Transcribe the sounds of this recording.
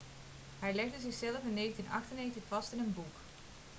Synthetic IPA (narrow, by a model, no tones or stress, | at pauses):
hɛjlɛɣdəzɪxsɛləfɪnːeːɣəntinɑ̰xtənejxəntəxfɑstɪnənbuk